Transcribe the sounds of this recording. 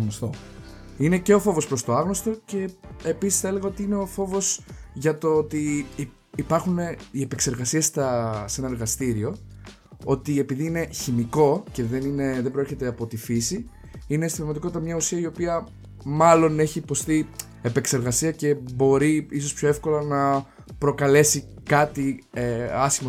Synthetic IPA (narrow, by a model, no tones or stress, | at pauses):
ɣnost̪o | ine̞ce̞o̞fo̞vo̞spɾo̞st̪o̞ɐɣnost̪o̞ce̞episisθɐele̞ɣɐo̞t̪iine̞o̞fo̞vo̞sʝɐt̪oot̪i | ipɐɾxune̞ie̞pekse̞ɾɣɐsiest̪ɐse̞nɐeɾɣɐst̪iɾio̞ | o̞t̪ie̞piðiine̞çimiko̞ce̞ðe̞nine̞ðe̞bɾeɾçe̞t̪eɐpo̞t̪ifisi | inest̪iðɐmɐt̪iko̞t̪it̪ɐmɲɐusiɐio̞piɐ | mɐlo̞ne̞çiːpo̞st̪i | epe̞kse̞ɾɣɐsiɐce̞bo̞ɾiiso̞spço̞e̞fko̞lɐnɐ | pɾo̞kɐle̞si | kɐt̪ieɐsçimo